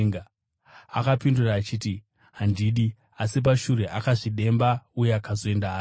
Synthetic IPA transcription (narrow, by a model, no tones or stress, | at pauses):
ŋɡa | a̰kapinduraːt͡ʃiti | ɦandiɗi | asip̬aʃuɾe̞ʔakaʐiɗe̞mbaujeakazo̞e̞ndaɦaː